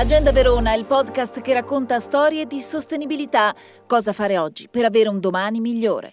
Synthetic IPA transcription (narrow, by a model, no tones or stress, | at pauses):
lad͡ʒɛnd̪aveɾoːnaɛilpɔd̪kast̪k̟erːakːont̪ast̪ɔːɾjed̪isost̪enibilit̪a | kɔːzafaːɾeɔd͡ʒːipeɾaveːɾeund̪omaːnimiʎːo̰ːɾḛ